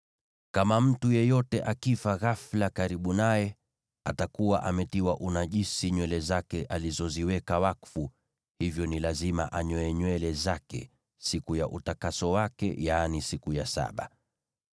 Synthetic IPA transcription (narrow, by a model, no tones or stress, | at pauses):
kamam̩tujɛjɔtɛʔakifaɣaflakaɾiɓunajɛ | atakuwaʔamɛtiwaʔunaʄisiɲwɛlɛzakɛʔalizɔziwɛkawakfu | hivjɔnilazima̰ʔaɲɔɛɲwɛlɛzakɛ̰ | sikujaʔutakasɔwakɛ̰janisikujasa̰ɓa̰